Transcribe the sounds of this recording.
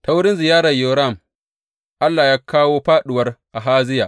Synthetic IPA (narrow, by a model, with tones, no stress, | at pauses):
ta˦wʊ˦ɽɪ˦nzɪ˨jaː˦ɾɐ˨jo˨ɾa˦˨m | ʔa˦lːaː˨jaː˦kaː˦woː˦ɸaː˦ɗɪ˨wɐ˦rʔa˨ɦaː˦zɪ˦jaː˨ʔ